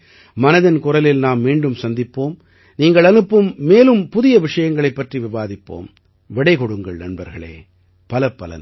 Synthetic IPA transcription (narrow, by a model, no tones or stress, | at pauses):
mɐnɐðɪnkʊrɐlɪlnaːmːiːɳɖɯmsɐnd̪ɪpːoːm | niːŋɡɐɭɐnɯpːɯmːeːlɯmpʊðɪjɐʋɪʂɐjɐŋɡɐɭɐɪpːɐʈriʋɪʋaːðɪpːo̰ːm | ʋɪɽɐɪkɔɽɯŋɡɐɭnɐɳbɐɾɣɐɭḛː | pɐlɐpːɐlɐ̰n